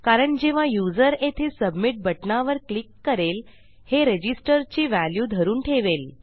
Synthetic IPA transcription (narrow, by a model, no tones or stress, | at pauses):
kaɾəɳd͡ʑeʋ̤ãjud͡zəɾet̪ʰesəbmiʈ̚bəʈnaʋəɾklikːəɾel | heɾed͡ʑisʈəɾt͡ɕiːʋæljuːd̪ʱəɾuːnʈʰeʋel